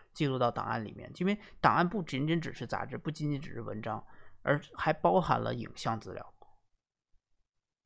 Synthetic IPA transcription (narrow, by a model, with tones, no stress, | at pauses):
t͡ɕi˥˧lu˥˧t̪ɑ˥˩ʊt̪ɑ̰˨˩ŋa̰˥˩nlḭ˨˩mjɛ̰˥˩nt͡ɕi˥nwɛ˧ɪt̪ɑ˨˩ŋa˥˧npu˥˩t͡ɕi˧˥nʈ͡ʂi˥ŋʈ͡ʂɻ̩˨˩ʂɻ̩˥˩t͡sa̰˨˧˩ʈ͡ʂɻ̩˥pu˥˩t͡ɕi˥nt͡ɕi˥˩ʈ͡ʂɻ̩˨˩ʂɻ̩˥˩wʔə̰˧˥nʈ͡ʂɑ˥ŋə̰˞˧˥xa˧˥ɪpɑ˥ʊxa˧˥nlʔə̰˧ḭ˨˩ŋɕjɑ˥˩ŋt͡sɹ̩˥˧ljɑ̰˥˩ʊ